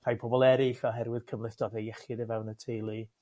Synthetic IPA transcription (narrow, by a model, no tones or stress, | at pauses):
r̥ajpʰɔbɔlˠɛɾɪɬvɛlˠɦɛɾwɪð̥kʰəmlˠɪθd̥ɔðejɛχɪdəvɛwnətʰejlˠi